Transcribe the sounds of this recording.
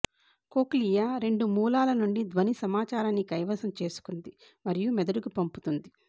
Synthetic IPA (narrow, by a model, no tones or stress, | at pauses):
koːklijaːɾe̞ɳɖumuːlaːlɐnuɳɖid̪ʋɐnisɐmaːt͡ʃaːɾanːikɐjʋɐsɐmt͡ʃe̞ːsu̥kund̪i | mɐɾijumɛd̪ɐɽukupɐmput̪und̪i